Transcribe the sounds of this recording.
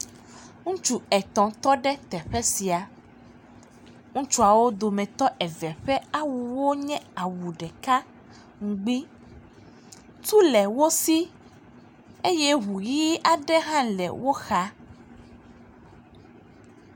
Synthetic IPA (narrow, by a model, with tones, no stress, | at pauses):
ŋũ˦t͡ʃu˦ɛ˨t̪ɔ̃˨t̪ɔ˦ɖɛ˦t̪ɛ˨ɸɛ˦si˨a˨ | ŋũ˦t͡ʃu˦a˨wo˦d̪o˨mɛ̃˨t̪ɔ˦ʔɛ˨vɛ˨ɸɛ˦a˦wu˨wo˦ɲɛ̃˦a˨wu˨ɖɛ˨ka˦ | ŋũ˨ɡ͡bi˦ | t̪u˦lɛ˨wo˦si˦ | e˦jɛ˦ɦu˨ji˦a˨ɖɛ˦ɦã˦lɛ̰˨wo˦xa˦